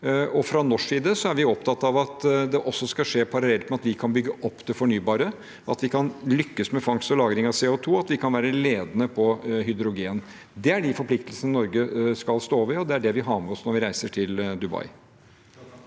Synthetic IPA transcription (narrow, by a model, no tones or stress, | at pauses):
ɔfɾɑnɔʂːiːd̪əsɔæɾʋɪɔpt̪ʰɑt̪ːɑʋɑt̪d̪ɛʔɔsːɔskɑʂeːpʰɑɾɑlɛlt̪mɛɑt̪ʋɪkʰɑnbʏɡːəʔɔpːd̪ɛfɔɳyːbɑːɾə | ɑt̪ʋɪkʰɑnlʏkːəsmɛfɑŋst̪ɔlɑːɡɾɪŋɑʋseːʊt̪ʰuːɑt̪ʋɪkʰɑnʋæːɾəleːd̪ənəpʰɔɦʏd̪ɾʊɡeːn | d̪ɛæɖɪfɔɾplɪkt̪əlsənɪnɔɾɡəskɑlst̪oːʋɪɔd̪ɛæɖɛʋɪɦɑːmɛɔsnɔɾʋɪɾæɪsəʈʰɪld̪ʉbɑ̰ɪ